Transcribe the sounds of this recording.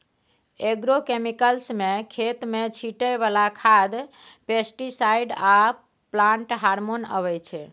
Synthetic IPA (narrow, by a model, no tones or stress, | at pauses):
eɡɾokemikəlsmekʰet̪met͡ʃʰiʈəbalakʰad̪ | pesʈisaiɖa | plaɳʈɦaɾmonə̰βɛt͡ʃʰɛ